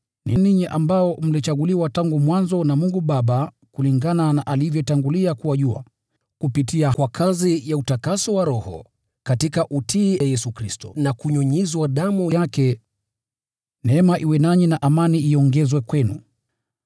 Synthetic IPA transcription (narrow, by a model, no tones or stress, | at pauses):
niniɲiʔambaɔm̩lit͡ʃaɠuliwataŋɡumwanzɔnamuŋɡuɓaɓa | kuliŋɡananaʔalivjɔtaŋɡuliakuwaʄua̰ | kupitiakwakʰazijautakasɔwaɾɔhɔ̰ | katikaʔutʰijajɛsukɾistɔ̰nakuɲɔɲizwaɗamujakɛ | nɛɛmaʔiwɛnaɲinaʔamaniiɔŋɡɛzwɛkwɛnṵ